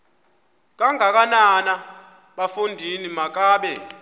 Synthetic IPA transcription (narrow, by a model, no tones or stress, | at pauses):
k̬ʼaŋʱak̬anana | ɓafundʱinimak̬ʼaːɓɛ